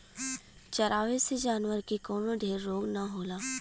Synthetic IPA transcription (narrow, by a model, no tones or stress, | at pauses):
t͡ʃɐɾʔaːʋesed͡ʒaːnwəɾkekoːnoɖ̪ʱeːɾːoːɡnaɦoːlaː